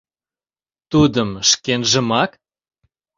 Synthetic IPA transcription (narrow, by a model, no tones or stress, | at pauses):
t̪ud̪əmʃkenʒə̆mɑk